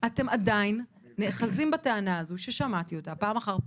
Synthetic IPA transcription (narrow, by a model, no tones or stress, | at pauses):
ʔate̞madajinː | e̞χazimbataanaazuʃeʃamat̪io̞tapaːmaχaʁ